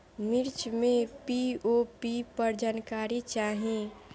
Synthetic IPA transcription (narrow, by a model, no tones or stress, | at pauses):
mɪɾt͡ʃmẽpiopipəɾd͡ʒaːnkaːɾit͡ʃaːɦẽ